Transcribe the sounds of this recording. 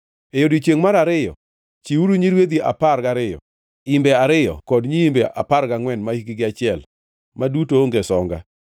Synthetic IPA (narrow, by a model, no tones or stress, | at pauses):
ejodit͡ʃjeŋmaɾaɾɪjɔ̰ | t͡ʃiuɾuɲiɾwed̪iʔa̰parɡaɾɪjɔ̰ | imbɛaɾɪjɔ̰kɔdɲiimbɛʔa̰parkaŋwɛnmaiɡɪɡɪat͡ʃɪɛl | madutooŋɡesɔŋɡa̰